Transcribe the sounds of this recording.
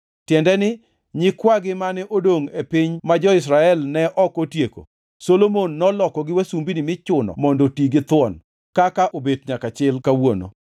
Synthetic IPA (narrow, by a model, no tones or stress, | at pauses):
tjɛndɛnɪ | ɲɪkwaɡɪmanɛʔodoŋepɪɲmad͡ʒɔɪs̬ɾaɛlnɛʔɔkotjeko̰ | solomonːɔlɔkɔɡɪwasumbinɪmɪt͡ʃʊnɔ̰mɔndotiɡɪt̪wɔn | kakaʔobetɲakat͡ʃɪlkawono̰